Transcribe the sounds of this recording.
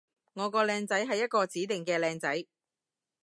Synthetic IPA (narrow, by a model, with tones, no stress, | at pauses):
ŋɔː˨˧kɔː˧lɛː˧ŋt͡sɐ˨˥jɦɐ˨jːɐ˥t̚kɔː˧t͡siː˨˥t̪ɪ˨˩ŋkɛː˧lɛː˧ŋt͡sɐ˨˥j